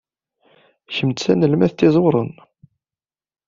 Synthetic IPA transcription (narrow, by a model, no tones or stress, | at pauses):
çəmt̪t͡sːænəlmæθt̪ːɪzˤwɾˤən